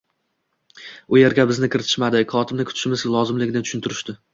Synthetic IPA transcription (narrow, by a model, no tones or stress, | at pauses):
ʊje̞ɾɡʲabɪznɪkʰʲɪɾɪt̪ʰɪ̥ʃmad̪ɪχʰɒt̪ʰɪbnɪkʰʊt̪ʰɪ̥ʃɪmɪzlˠɒzɪmlɪɡʲɪnɪt̪ʰʊ̥ʃʊnt̪ʰɪɾɪʃd̪ɪ